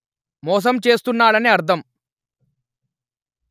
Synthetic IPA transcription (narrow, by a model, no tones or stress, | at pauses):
mɔːs̬ɐmt͡ʃe̞ːst̪unːaːɽɐniɐɾt̪ʰɐm